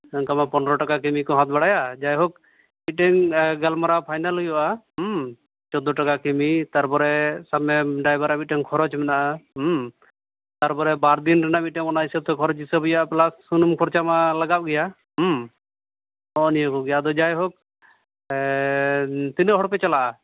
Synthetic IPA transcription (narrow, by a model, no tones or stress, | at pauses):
əŋkamapɔnɾɔʈakak̬imikɔɦãt̪̚baɽajad͡ʒajɦɔk̚ | miʈɛŋɡalmaɾapʰajnalɦujɔʔaɦ | t͡ʃɔd̪ɔʈakakimit̪aɾpɔɾɛsamɛɖajbaɾamit̪̚ʈɛŋkʰɔɾɔt͡ʃmɛnaʔa | t̪aɾpɔɾɛbaɾd̪inɾɛnamit̪̚ʈɛŋɔnaisəb̚t̪ɔkʰɔɾɔt͡ʃisəbɔjaʔaplasːunmkʰɔɾt͡ʃamalaɡap̚ɡɛja | ɦ | nɔʔnijɔkɔɡɛjad̪ɔd͡ʒajɦɔk̚ | t̪inɾɦɔɽpɛt͡ʃalaʔa